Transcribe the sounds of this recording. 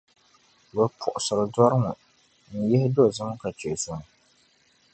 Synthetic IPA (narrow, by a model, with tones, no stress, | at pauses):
bɛ˨pʰʊ˨ʔʊ˨sɨ˨ɾɨ˨dɔ˦ɾɨ˦ŋʊ˨ | n̩˨jɛ˦hɪ˦do˦˨zɨ˦ŋ˦ka˨t͡ʃɛ˨zʊ˨ŋ˨